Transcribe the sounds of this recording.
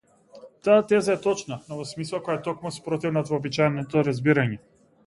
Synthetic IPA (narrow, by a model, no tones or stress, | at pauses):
t̪aːt̪ɛzaɛt̪ɔt͡ʃnanɔvɔsmislˠakɔjat̪ɔkmuspɾɔt̪ivnat̪vɔːbit͡ʃajnɔt̪ɔɾazbiɾaɲɛ